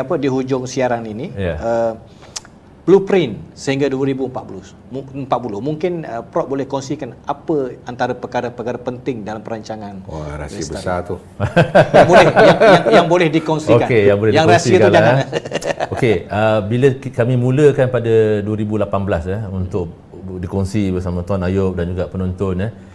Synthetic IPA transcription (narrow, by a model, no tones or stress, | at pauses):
apədiɦud͡ʒʊŋsiaɾaŋinijaə | b̥lupɾɪnsəhiŋɡaduəɾibuəmpa̰t̪ʔ̚blʊs | məmpat̪̚pulʊhmuŋkɪnəpɾɔʔ̚bolɛhkɔnsikanapəant̪aɾəpəkaɾəpəkaɾəpənt̪ɪŋdalampəɾaɲt͡ʃaŋãnaɾa̰siibəsa̰t̪u | jabolɛjaŋjaŋbolɛhdikɔnsiokankejaŋbolɛhjiaŋɾkasitkald͡ʒaaa | okeəbiləkamĩmũləkanpadaduəɾibulapanbəlasahunt̪ʊk | dikɔŋsibəsamãt̪anajʊp̚dand͡ʒuɡapənɔnt̪ʊnə